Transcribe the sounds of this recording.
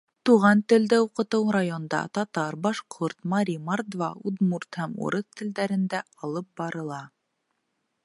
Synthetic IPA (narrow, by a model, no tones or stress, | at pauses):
t̪uʁɑnt̪ɘ̆ld̪ɘuqɤ̆t̪ɤwɾajond̪ɑ̰t̪ɑt̪ɑɾbɑʃqʰuɾt̪mɑɾʲimɑrd̪vɑud̪murt̪hæmṵɾɤθt̪ɘ̆ld̪æɾɘ̆nd̪æɑlˠɤp̚bɑɾɤ̆lˠɑ